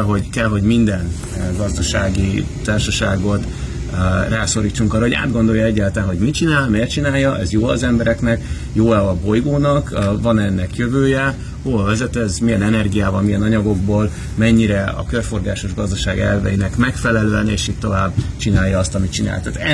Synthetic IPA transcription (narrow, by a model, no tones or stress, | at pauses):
ɦo̞kɛlɦo̞ɟmind̪ɛn | ɡɒzd̪ɒʃaːɡit̪aːrʃɒʃaːɡo̞t̪ | raːso̞ɾiːt͡ʃːuŋkɒːrːɒɦoa̰ːd̪ɡo̞nd̪o̞jɒɛɟːaːlt̪aːnɦo̞ɟmit͡ʃinaːlmeːrt͡ʃinaːjɒʔɛzjoːɒ̰zɛmbɛɾɛknɛk | joːɛɒbo̞jɡoːnɒkvɒnɛnːɛkjøvøːjɛ | hoːɒvɛzɛt̪ɛzmijɛnɛnɛrɡijaːvɒlmijɛnɒɲɒɡo̞ɡ̚boːl | mɛɲːiɾɛɒ̰kørfo̞rɡaːʃo̞ʒɡɒzd̪ɒʃaːɡɛ̰lvɛ̰jinɛkmɛkfɛlɛløːɛneːʃitt̪ːo̞vaːbt͡ʃinaːjɒɒst̪ɒmit͡ʃina̰ːlt̪aːt̪ɛ